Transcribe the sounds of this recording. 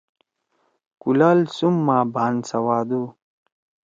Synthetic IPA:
kulalsumːaːbʱaːnsɐwaːd̪u

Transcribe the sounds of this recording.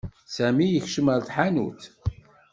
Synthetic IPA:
sæmijəçʃəməɾθħanṵt͡s

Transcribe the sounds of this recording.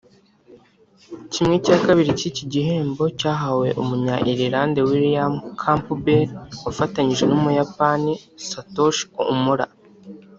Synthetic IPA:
cimŋecakaβiɾiciciɟiɦe̞ːmbo̞caːɦawe̞ʔumuɲaʔiɾiɾaːnde̞wiɾijamkʰampubeɾufataɲiʒenumujapanisatoʃmuɾa̰

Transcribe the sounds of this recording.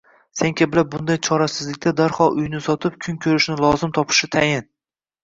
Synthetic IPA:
seŋkʲʰabɪlabʊnd̪ajt͡ʃʰɒɾasɪzlɪk̚ʲt̪ad̪aɾhɒlˠʔʊjnɪsɒt̪ʰɪp̚kʲʰʊŋkʲʰɵɾɪʃnɪlˠɒzɪmt̪ʰɒpʰɪ̥ʃɪt̪ʰajɪn

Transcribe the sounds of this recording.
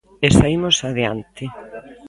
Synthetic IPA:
esaimosaðea̰nt̪ɪ

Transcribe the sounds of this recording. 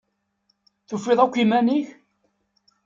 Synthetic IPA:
θufːɪðˤækʷːimæniç

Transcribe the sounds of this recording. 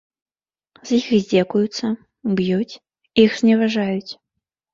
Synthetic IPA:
z̥jixzʲdʲɛkujut̪sɐ | bjut͡sʲ | ixz̥ʲnʲɛvaʐajut͡sʲ

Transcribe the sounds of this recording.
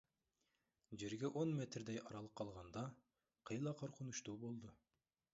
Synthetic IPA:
d͡ʒeɾɡʲɛʔonmet̪ɾd̪ɛjɑɾɑlˠəqʰːɑlˠʁɑnd̪ɑ | qʰəjlˠɑqʰoɾqʰʊnuʃt̪uːbolˠd̪u

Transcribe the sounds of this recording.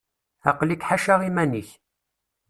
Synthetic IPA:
ɑ̰qlikħaʃaʁimæniç

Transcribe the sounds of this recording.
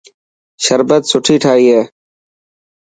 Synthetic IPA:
ʃəɾbət̪sʊʈʰiːʈʰaːɦiːɦeː

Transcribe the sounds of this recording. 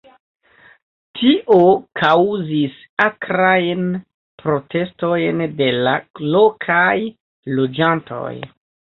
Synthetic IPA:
tʰiʔo̞kʰawzis | akɾajn | pɾo̞te̞sto̞jnde̞lalo̞kʰaj | lo̞d͡ʒantʰo̞̰j

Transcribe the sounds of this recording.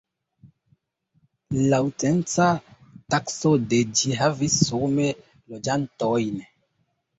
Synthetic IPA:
lawtent͡sa | taksoded͡ʒiɦavisːome | lod͡ʒantɔjn

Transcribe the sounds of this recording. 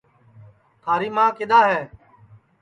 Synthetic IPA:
t̪ʰaːɾiːmãːkɪd̪aːɦɛː

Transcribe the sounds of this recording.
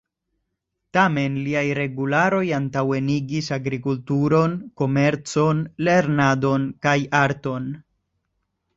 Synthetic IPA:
tame̞nliajɾe̞ɡulaɾo̞jantawe̞niɡisaɡɾikultuɾo̞nko̞me̞ɾt͡so̞nle̞ɾnado̞nkajaɾto̞n

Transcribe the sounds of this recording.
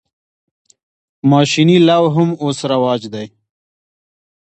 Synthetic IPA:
maːʃinilawɦʊmoːsɾɐwɑːd͡ʒd̪aj

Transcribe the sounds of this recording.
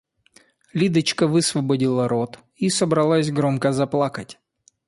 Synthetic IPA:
lʲid̪ət͡ɕkəvɨsvəbɐdʲilˠɐɾot̪ | isəbɾɐlˠasʲɡɾomkəzɐplˠakətʲ

